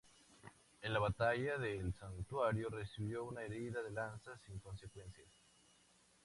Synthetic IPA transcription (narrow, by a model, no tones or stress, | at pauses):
enlaβat̪aʝaðelsant̪waɾjo̞resiβ̞jo̞unaeɾiðaðe̞lansasiŋko̞nse̞kwe̞nsjas